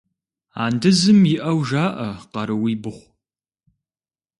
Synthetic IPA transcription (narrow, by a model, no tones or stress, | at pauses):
a̰ːndɨzɨmjɪʔɐwʒaːʔɐqɐɾɨwiːbɨχʷ